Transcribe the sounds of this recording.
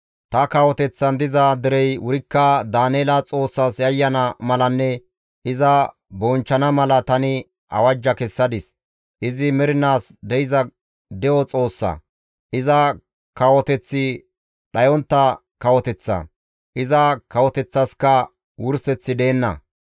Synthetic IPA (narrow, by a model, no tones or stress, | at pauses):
t̪ɐkɐwɔt̪ɛt͡sːɐnd̪ɪzɐd̪ɪɾɛjwʊɾɪkːɐd̪aːneːlɐt͡sʼo̞ːsːaːsjɐjːɐnɐmɐlɐnːɛ | ʔɪzɐ | bɔnt͡ʃːɐnɐmɐlɐt̪ɐnɪ | ʔɐ̰wɐd͡ʒːɐkɛsːɐd̪ɪs | ʔɪzɪmɛɾɪnaːsd̪ɛjɪzɐ | d̪ɛʔɔt͡sʼo̞ːsːɐ̰ | ʔɪzɐ | kɐwɔt̪ɛt͡sːɪ | ɗɐjɔnt̪ːɐ | kɐwɔt̪ɛt͡sːɐ̰ | ʔɪzɐkɐwɔt̪ɛt͡sːɐskɐ | wʊɾsɛt͡sːɪd̪e̞ːnːɐ̰